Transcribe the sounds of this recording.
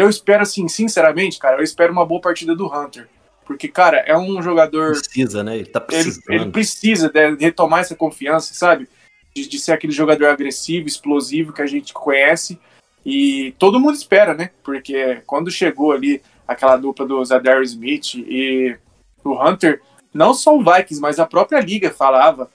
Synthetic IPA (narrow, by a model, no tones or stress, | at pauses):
ewispɛɾʊasĩsĩsɛɾɐmẽnt͡ʃɪ̥kaɾɐewispɛɾʊũmɐboɐpaɾt͡ʃid̪ɐd̪ʊɦɐ̃nt̪eɾ | poɾkekaɾɐʔɛũʒoɡad̪oɾsizɐnɛelɪt̪apelɪelɪpɾɪsizɐd̪ɛhet̪omaɛsɐkõfiɐ̃sɐ̥sabɪ | d͡ʒɪd͡ʒɪseɾakelɪʒoɡad̪oɾaɡɾesivʊɪsplozivʊkɪaʒẽnt͡ʃɪ̥kõɲɛsɪ | ɪt̪od̪ʊmũd̪ʊɪspɛɾɐnɛpoɾkekwɐ̃nd̪ʊʃeɡoali | akɛlɐad̪uplɐd̪ʊzad̪ɛɾizmit͡ʃɪɪ | ʊɦɐ̃nt̪eɾ | nɐ̃w̃sɔʊvajkĩsmɐzɐpɾɔpɾiɐliɡɐfalavɐ